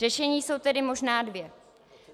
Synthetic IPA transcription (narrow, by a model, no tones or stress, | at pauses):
ɛʃɛɲiːso̞wt̪ɛdɪmo̞ʒnaːdvjɛ